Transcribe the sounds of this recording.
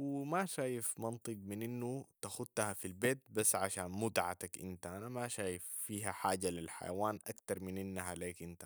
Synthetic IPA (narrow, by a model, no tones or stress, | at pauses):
wimaʃaːjifmɑnt̪ˤɨɡ̚minʔinːut̪axud̪̚t̪ːahafilbeːt̪̚basːʕaʃaːnmʊd̪ʕa̰t̪akʔḭnt̪aʔanamaʃaːjifːiːɦaħaːɟalilħa̰ja̰waːnʔakt̪ɑɾˤminʔinːaɦaleːkʔint̪a